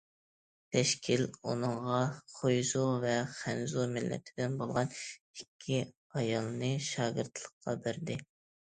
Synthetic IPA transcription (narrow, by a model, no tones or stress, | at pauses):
t̪ʰɛʃkʲʰilunɨɴʁɑχʰojzuvɛχænzumɪlːʔɛ̰t̪ʰɪbd̪ɪnbolˠʁɑnikʲʰːi | ɑjɑlˠnɨʃɑːɡɨɾt̪ʰlˠəqqːɑ̰bɪɾd̪ɪ